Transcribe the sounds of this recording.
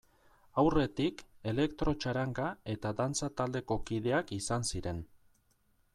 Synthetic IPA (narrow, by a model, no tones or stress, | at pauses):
awre̞t̪ike̞le̞kt̪ɾo̞t͡ʃaɾaŋɡae̞t̪aðant͡sat̪ald̪e̞ko̞kið̞e̞akisansiɾe̞n